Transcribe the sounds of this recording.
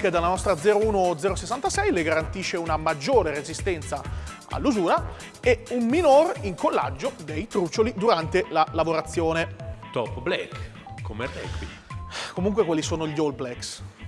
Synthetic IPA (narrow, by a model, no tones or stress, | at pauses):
ked̪alːanɔst̪ɾad̪zɛːɾouːnod̪zɛːɾosesːant̪asɛjleɡaɾant̪iːʃːeunamad͡ʒːoːɾeɾezist̪ɛnt̪sa | a̰lːuzuːɾa | ɛumminoriŋkolːa̰d͡ʒːod̪ejt̪ɾut͡ʃːolid̪uɾant̪elalavoɾat̪sːjoːnet̪ɔpblɛ̰kː | omerːɛ̰kwḭ | komuŋkwekwalːisoːnoʎolblɛks